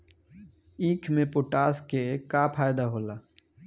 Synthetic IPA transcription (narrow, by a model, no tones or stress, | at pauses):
ĩːkʰmẽpʊʈaːskekaːpʰaːjd̪aɦoːlaː